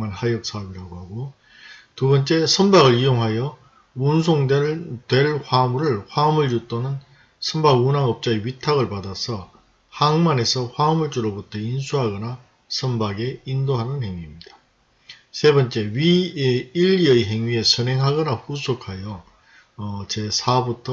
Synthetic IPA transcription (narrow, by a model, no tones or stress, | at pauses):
anhajʌk̚s͈aʌbiɾaɡohaɡo | tubʌnt͡ɕ͈e̞sʰʌmbaɡɯɭijoŋɦajʌ | unsʰoŋdtwe̞ɭɸwamuɾɯɭɸwaʌmɯɭjut͈onɯn | sʰʌmbaɡunaŋʌp̚t͡ɕ͈aeɥitʰaɡɯɭpadasʰʌ | haŋmane̞sʰʌɸwaɯmuɭt͡ɕ͈uɾobutʰʌinsʰuɦaɡʌna | sʰʌmbaɡe̞indoɦanɯnhe̞ŋɥimɲida | sʰe̞bʌnt͡ɕ͈e̞ɥieiʎːiʌiɦe̞ŋɥie̞sʰʌnɦe̞ŋɦaɡʌnaɸusʰokʰajʌ | t͡ɕe̞sʰabutʰʌ